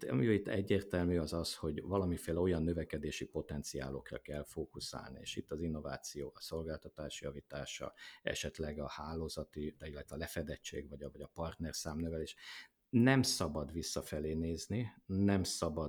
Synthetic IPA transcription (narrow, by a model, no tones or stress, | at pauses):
t̪ɒ̰mioit̪ːɛɟːeːrt̪ɛlmyɒzɒsho̞ɟvɒlɒmifeːlɛo̞jɒnːøvɛkɛd̪eːʃipo̞t̪ɛnt̪sia̰ːlo̞krɒ̰kɛlfoːkusa̰ːlnḭḛːʃit̪ːɒzin̪ːo̞va̰ːt̪sijoːɒso̞lɡaːlt̪ɒt̪aːʃjɒvit̪aːʃɒ̰ɛ̰ʃɛt̪lɛɡɒhaːloːzɒt̪iilːɛt̪ʋɛːlɛfɛd̪ɛt͡ʃːḛːɡʋɒɟɒvɒɟɒpɒrt̪nɛrsaːmnɛvɛleːʃ | nɛmsɒbɒd̪ʋisːɒfɛleːneːzninɛmsɒbɒ